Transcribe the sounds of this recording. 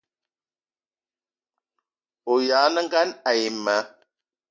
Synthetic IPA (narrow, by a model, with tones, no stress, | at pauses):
o˨jaː˨˦nə˦ŋ˦ɡa˦na˨ji˨ma˨˦